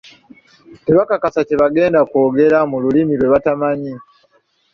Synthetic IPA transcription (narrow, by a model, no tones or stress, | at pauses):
teβakakasaceβaɡe̞ːndakwo̞ːɡe̞ɾamululimiɾwe̞βatamaɲi